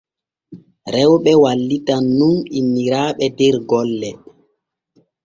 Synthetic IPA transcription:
ɾɛwɓɛwalːitanːunimiɾaːɓɛdɛɾɡɔlːɛ

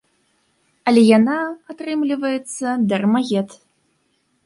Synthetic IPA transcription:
ɐlʲɛjanaːt̪ɾɨmlʲivɐjɛt̪sːɐd̪ɐrmaɣʲɛt̪

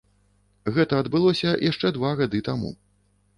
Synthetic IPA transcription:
ɣɛt̪ɐːd̪bɨlˠɔsʲɐjʔaʂt͡ʂɛd̪vaɣad̪ɨt̪amṵ

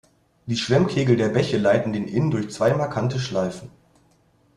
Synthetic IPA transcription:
d̥iːʃv̥ɛmkʰeːɡl̩deːɐbɛçəlaɪtn̩deːnʔɪndʊɐçt͡sv̥aɪmaɐkʰantəʃlaɪfn̩

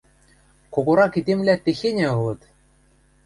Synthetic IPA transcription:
koɣoɾɑkid̪ʲemlʲæt̪ĕxʲenʲɘ̆ɤ̆lˠɤ̆t̪

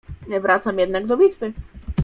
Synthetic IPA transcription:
ɲɛvɾat̪samjɛd̪naɡd̪ɔbʲit̪fɘ

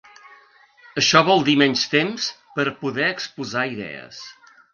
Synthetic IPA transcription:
əʃɔβɔlˠd̪imɛɲst̪ems | pəɾpuðɛəkspuzaiðɛ̰ə̰s

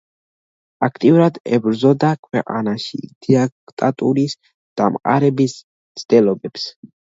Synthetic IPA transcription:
akʰt̪ʼiuɾad̪ɛbɾzɔd̪akʰwɛqʼa̰naʃḭd̪̥iakʼt̪ʼat̪ʼuɾis | d̪̥amqʼa̰ɾɛbis | t̪sʰd̪̥ɛlɔbɛps

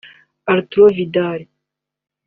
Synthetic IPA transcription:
aɾt̪uɾovid̪aːɾi

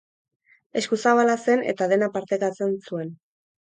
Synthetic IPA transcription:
e̞skusaβalase̞ne̞̰t̪aðe̞napaɾt̪e̞kat͡se̞nsue̞n

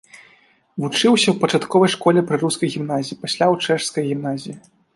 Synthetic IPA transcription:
vut͡ʂɨwsʲɐwpɐt͡ʂat̪kɔvɐjʂkɔlʲɛpɾɨruskɐjɣʲimnazʲiːpasʲlʲawt͡ʂɛʂskɐjɣʲimn̪azʲiji

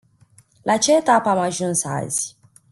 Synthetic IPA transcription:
lʔat͡ʃɛt̪apamaʒũnsa̰zi̥

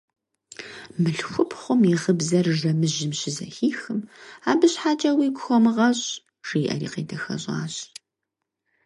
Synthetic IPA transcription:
mɨɬxʷʊpʰχʷʊmiʁəbzɐrʒɐmɨʒɪmɕɪzɐ̰xiːxɨmaːbɨɕħaːt͡ʃʼɐwiːɡʷʊxʷɔmɨʁɐɕ | r̥iːʔɐ̰ɾḭːqḛːdʰɐxɐ̰ɕʼa̰ːɕ

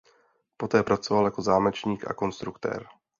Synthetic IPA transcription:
po̞t̪ɛːpɾat͡so̞valjako̞zaːmɛt͡ʃɲiːkʔa̰ko̞nst̪ɾukt̪ɛ̰ːɾ

